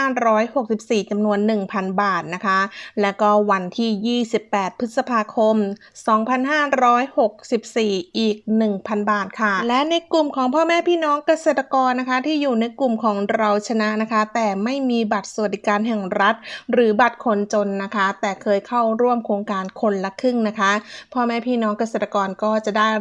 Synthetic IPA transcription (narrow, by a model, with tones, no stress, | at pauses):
aː˥˩ɾɔː˦˥jho˨˩k̚si˨˩p̚siː˨˩t͡ɕa˧mnu˧ənːɯ˨˩ŋpʰa˧nbaː˨˩t̪̚na˦˥kʰa˦˥lɛː˦˥wkɔː˥˩wa˧nt̪ʰiː˥˩jiː˥˩si˨˩pːɛː˨˩t̪̚pʰɯ˦˥t̪̚sa˧pʰaː˧kʰo˧m | sɔː˩˦ŋpʰa˧nɦaː˥˩ɾɔː˦˥jho˨˩k̚si˨˩p̚siː˨˩ʔiː˨˩k̚nɯ˨˩ŋpʰa˧nbaː˨˩t̪̚kʰa˥˩lɛ˦˥ʔna˧jklu˨˩mkʰɔː˩˦ŋpʰɔː˥˩mɛː˥˩pʰiː˥˩nɔː˦˥ŋka˧seː˨˩t̪ːa˧kɔː˧nːa˦˥kʰa˦˥t̪ʰiː˥˩juː˨˩na˧jklu˨˩mkʰɔː˩˦ŋɾa˧wt͡ɕʰa˧na˦˥ʔna˦˥kʰa˦˥t̪ɛː˨˩ma˥˩jmiː˧ba˨˩t̪̚su˨˩t̚ːi˨˩kaː˧nɦɛ˨˩ŋɾa˦˥t̪̚ɾɯː˩˦ba˨˩t̪̚kʰo˧nt͡ɕo˧nːa˦˥kʰa˦˥t̪ɛː˨˩kʰɤː˧jkʰa˥˩wɾu˥˩əmkʰoː˧ŋkaː˧nkʰo˧nla˦˥kʰɯ˥˩ŋna˦˥kʰa˦˥pʰɔː˥˩mɛː˥˩pʰiː˥˩nɔː˦˥ŋka˧seː˨˩t̪ːa˧kɔː˧nkɔː˥˩t͡ɕa˨˩daː˥˩j